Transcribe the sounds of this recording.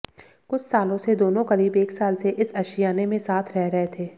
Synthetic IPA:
kʊt͡ʃʰsaːlõsed̪oːnõkɐɾiːbeːksaːlseʔɪsɐʃɪjaːnemẽsaːt̪ʰɾɛɦɾɐɦet̪ʰeː

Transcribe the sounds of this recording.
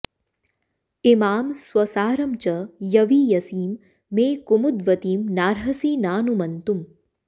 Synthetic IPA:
ɪmaːmsʋɐsaːɾɐmt͡ʃəjɐʋijɐsiːmː | eːkumud̪ʋət̪iːmnaːɾɦɐsiːnaːnumɐnt̪um

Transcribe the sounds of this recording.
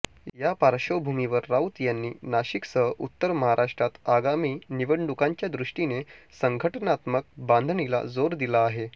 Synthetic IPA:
japaɾɕəwbʱumiʋəɾːaut̪janːiːnaɕiksəɦəʔut̪ːəɾməɦaɾʔaʂʈɾat̪aɡamiːniʋəɳɖukãɲt͡ɕjad̪ɾuʂʈinesəŋɡʱəʈənat̪mək̚bãnd̪ʱnila̰d͡zoɾd̪ilaːɦe

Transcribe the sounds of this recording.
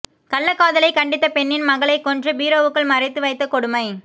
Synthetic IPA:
kɐɭːɐkːaːðɐlɐɪkɐɳɖɪt̪ːɐpɛnːɪnmɐɣɐɭɐɪkːɔndrɯbiːɾoːʋɯkːɐɭmɐrɪt̪ːɯʋɐɪt̪ːɐkɔɽɯmɐɪ

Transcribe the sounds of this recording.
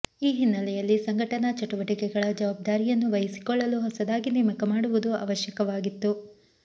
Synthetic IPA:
iːɦinːɐlɛjɐlːisɐŋɡʱɐʈɐnɐt͡ʃɐʈuʋɐʈikɛɡɐɭɐd͡ʒɐʋaːb̚d̪aːɾijɐnːuʋɐjɐsi̥kɔɭːɐluɦɐsɐd̪aːɡinimɐkɐmaːɽuʋud̪ua̰ːʋɐʃjɐkɐʋaːɡit̪ːu

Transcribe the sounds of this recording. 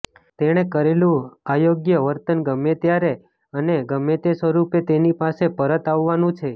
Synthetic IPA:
t̪eɽ̃ekəɾelũajoɡjəʋəɾt̪ənɡəmːet̪jaɾe | əneɡəmːet̪esʋəɾupet̪enipasepəɾət̪aʋːanũt͡ʃʰe

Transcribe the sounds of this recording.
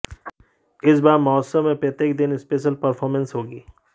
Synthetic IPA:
ɪsbaːɾmɔːsəmẽpɾet̪eːk̚d̪ɪnɪspeːʃ̬əlpɐɾpʰɔːɾmə̃nsɦoːɡiː

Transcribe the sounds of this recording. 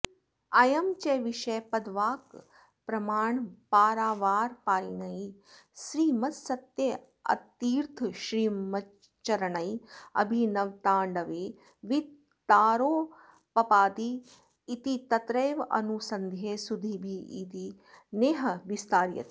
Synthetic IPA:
ɐjɐmt͡ʃeːʋiʃeːpɐd̪ʋaːk | pɾɐmaːɳpaːɾaːʋaːɾpaːɾinɐiʃɾiːmɐt̪sɐt̪je | ɐ̰t̪iːɾt̪ʰʃɾiːmɐ | t͡ʃɐɾɐɳɐjɐ̰bʱinɐʋt̪aːɳɖɐʋe | ʋi | t̪aːɾoː | pɐpaːd̪iː | t̪it̪ɐt̪ɾeːʋɐ̰nusɐnd̪ʱjeːsud̪ʱibʱiḭːt̪i | neːɦɐʋist̪aːɾjɐ̰t̪

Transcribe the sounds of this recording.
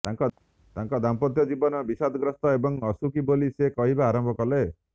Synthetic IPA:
t̪aŋkɔ | t̪aŋkɔd̪ampɔt̪jɔd͡ʒibɔnɔbisad̪ɡɾɔst̪ɔebɔŋɔsukibolisekɔɦibaːɾɔmbʱɔkɔle

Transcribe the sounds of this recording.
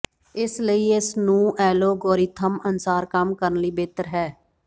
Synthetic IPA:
ɪsləiːɪsnũːʔɛːloːɡoːɾiːt̪ʰəmənsaːɾkəmkəɾənliːbeːt̪əɾɦɛː

